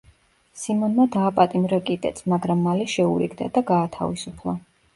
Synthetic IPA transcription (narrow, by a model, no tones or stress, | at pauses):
simɔnmad̪aːpʼat̪ʼimɾakʼit̪ʼɛ̰t̪smaɡɾamːalɛʃɛuɾḭɡd̪a̰d̪aɡaːt̪ʰa̰visupʰlˠɔ